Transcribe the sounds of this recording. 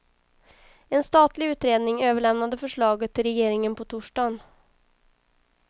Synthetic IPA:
ɛnst̪ɑːt̪lɪʉːt̪ɾeːd̪nɪŋøːvəɭɛmnad̪əfœʂɭɑːɡət̪ʰːɪlɾɛjeːɾɪŋənpʰɔt̪ʰʊʂɖɑːn

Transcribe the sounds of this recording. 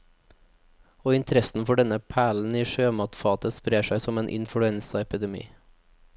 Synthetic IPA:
oːɪnt̪ʰɾɛsn̩fɔɖɛnəpʰæːɭn̩iːʃøːmɑːt̪fɑːt̪əspɾeːʃæɪsɔmeːnʔɪ̰nfɽʉɛnsɑɛpɪd̪ɛmḭː

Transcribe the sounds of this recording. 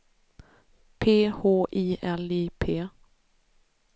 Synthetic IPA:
pʰeːhoːʔiːʔɛliːpʰeː

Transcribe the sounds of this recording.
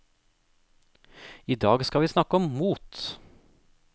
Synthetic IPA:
iːd̪ɑːɡskɑʋiːsnɑkəɔmmuːt̪

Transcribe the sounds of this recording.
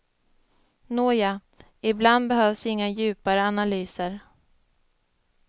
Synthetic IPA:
noːja | ɪbland̪bɛɦœːvsɪŋːajʉ̟ːpaɾəanalyːsəɾ

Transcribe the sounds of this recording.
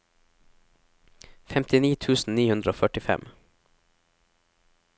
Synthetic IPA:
fɛmt̪ɪniːt̪ʰʉːsn̩niːhʉnd̪ɾəoːfœʈɪfɛ̰m

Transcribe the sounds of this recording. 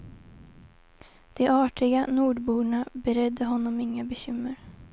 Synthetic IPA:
d̪̥ɛʔɑːʈɪɡanuːɖbuːɳabɛɾɛd̪ːəɦɔnːɔmɪŋːabɛɕʏmːəɾ

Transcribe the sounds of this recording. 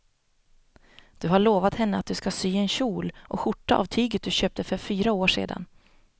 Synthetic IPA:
d̪̥ɵɦaɭoːvat̪hɛnːəat̪̚d̪ɵskasyːɛnɕuːlʔɔɧʊʈːaʔa̰vt̪ʰyːɡət̪̚d̪ɵɕøːp̚t̪əfœɾfyːɾaoːʂḛːd̪a̰n

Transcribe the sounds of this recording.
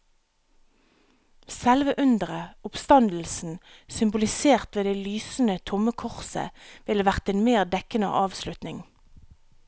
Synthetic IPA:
sɛlʋəʔʉnd̪əʁəʊpst̪ɑnd̪l̩sn̩sʏmbʊlɪseːʁt̪ʋeːd̪eːlyːsn̩ət̪ʰʊməkʰʊʁsə̰ʋɪləʋæʁt̪eːnmeːʁd̪ɛkənə̰ʔɑːʋslʉt̪nɪŋ

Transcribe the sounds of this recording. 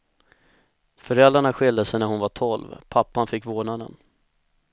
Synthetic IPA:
fœɾɛlɾaɳaɧɪld̪asɛjnæɾhʊnvaʈʰɔlvpʰapːanfɪkːvoːɳad̪ə̰n

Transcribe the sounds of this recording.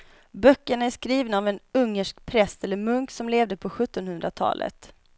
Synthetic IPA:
bœkːəɳaæʂkɾiːvnaːvɛnɵŋːəʂkpʰɾɛst̪ɛlːəɾmɵŋksɔmleːvd̪əpʰɔɧɵt̪ːɔnhɵnd̪ɾat̪ʰɑ̰ːlʔə̰t̪

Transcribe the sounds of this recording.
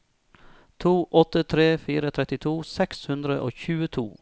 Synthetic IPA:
t̪ʰuːʔɔt̪ət̪ʰɾeːfiːɾət̪ʰɾɛt̪ɪt̪ʰuːsɛkshʉnd̪ɾəʔo̰ːçʉːət̪ʰṵː

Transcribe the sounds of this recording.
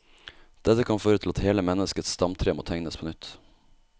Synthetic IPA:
d̪̥ɛt̪əkʰɑnføːɾət̪ʰɪl̩ɑt̪heːləmɛnəskət̪sst̪ɑmt̪ʰɾeːmo̰ːt̪ʰæŋnəspʰoːnʏt̪

